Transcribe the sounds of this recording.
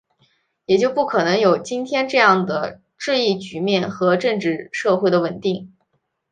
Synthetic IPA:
jɛ˨˩t͡ɕjo˥˧ʊpu˥˩kʰɤ˨˩nɤ˧˥ŋjo˨˩ʊt͡ɕi˥nt̪ʰjɛ˥nʈ͡ʂɤ˥˧jɑ˥˩ŋd̪ə˩ | ʈ͡ʂɻ̩˥˧i˥˩t͡ɕy˧˥mjɛ˥˩nxɤ˧˥ʈ͡ʂɤ˥˧ŋʈ͡ʂɻ̩˥˧ʂɤ˥˧xwe˥˩ɪd̪ə˩wə˨˩nt̪i˥˩ŋ

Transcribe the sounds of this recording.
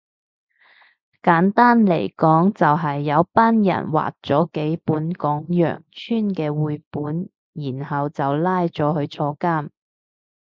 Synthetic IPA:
kaː˨˥nt̪aː˥nlḛ˨˩jkɔː˨˥ŋt͡sɐ˨wɦɐ˨jːɐ˨˧wpaː˥njɐ̰˨˩nwa̰ː˨k̚t͡sɔː˨˥ke˨˥jpuː˨˥nkɔː˨˥ŋjœ̰ː˨˩ŋt͡ʃʰyː˥nkɛː˧wuː˨˧jpuː˨˥n | jiː˨˩nhɐ˨wt͡sɐ˨wlaː˥jt͡sɔː˨˥ɦɵ˧ɥt͡ʃʰɔː˧kaː˥˩m

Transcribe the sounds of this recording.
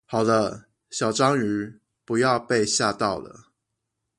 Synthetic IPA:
hɑ˨˩ʊd̪ə˦ | ɕjɑ˨˩ʊʈ͡ʂɑ˦ŋy˨˥ | pu˨˦jɑ˥˧ʊpe˥˧ɪɕja˥˧t̪ɑ˥˨˩ʊlə̰˩

